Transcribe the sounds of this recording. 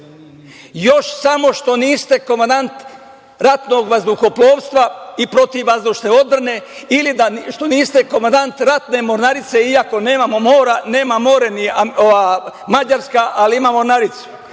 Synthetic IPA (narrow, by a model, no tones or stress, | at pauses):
jo̞ʃsamo̞ʃt̪o̞niːst̪e̞komand̪ant̪ | ɾat̪noːɡʋazd̪uxoplˠoːʋst̪ʋaipɾo̞t̪iʋːazd̪uʃneo̞d̪r̩ne̞ilid̪aʃt̪o̞niːst̪eko̞mand̪ant̪ɾat̪ne̞moɾnaɾit̪se̞iako̞ne̞ːmamo̞mo̞ːɾane̞ːmamo̞ːɾeniaoʋaːmad͡ʑaɾskaʔaliimamo̞ɾnaɾit̪su̥